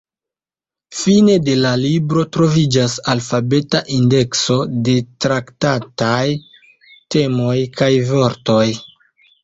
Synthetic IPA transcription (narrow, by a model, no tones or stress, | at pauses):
fine̞de̞lalibɾo̞tɾo̞vid͡ʒasalfabe̞taʔinde̞kso̞de̞tɾaktataj | te̞mo̞jkajvo̞ɾto̞j